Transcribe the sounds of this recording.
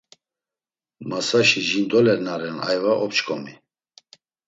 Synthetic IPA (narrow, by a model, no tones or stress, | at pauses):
masaʃiʒind̪ɔlɛɾnaɾɛna̰jvaʔɔpt͡ʃkʰʼɔmi